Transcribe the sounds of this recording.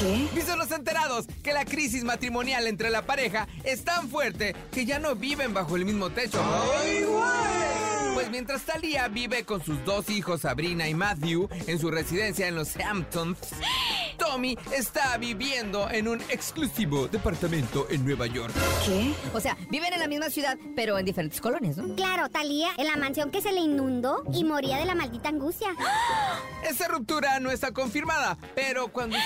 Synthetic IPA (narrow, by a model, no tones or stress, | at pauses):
sibisonlo̞se̞nt̪e̞ɾaðo̞s | ke̞lakɾis̬izmat̪ɾimo̞njale̞nt̪ɾe̞lapaɾe̞xa | e̞st̪aɱfwe̞ɾt̪e̞ | ke̞ʝano̞βiβe̞mbaxo̞e̞lmizmo̞t̪e̞t͡ʃo̞ɣwalpwe̞zmje̞nt̪ɾast̪aliaβiβe̞ko̞nsuzd̪o̞sixo̞sːaβɾinaimaðjue̞ns̬ure̞siðe̞nsjaenlo̞sampt̪ons | t̪o̞miest̪aβiβje̞nd̪o̞ʔe̞nũne̞ksklusiβo̞ðe̞paɾt̪amẽ̞nt̪o̞ʔe̞nːwe̞βaʝo̞̰ɾksiose̞abiβe̞nenlamizmasjuðaðpe̞ɾo̞end̪ifeɾent̪esko̞lo̞njasnoklaɾo̞t̪aliaʔenlamãnsjo̞ŋke̞se̞le̞inːũnd̪o̞imo̞ɾiað̞e̞lamald̪it̪aːŋɡust̪ja | e̞st̪arup̚t̪uɾano̞e̞st̪ako̞ɱfiɾmaðape̞ɾo̞kwand̪o